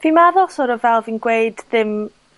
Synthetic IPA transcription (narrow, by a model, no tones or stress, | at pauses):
vimaðɔsɔɾɔvɛlˠviːnɡweɨdðɪm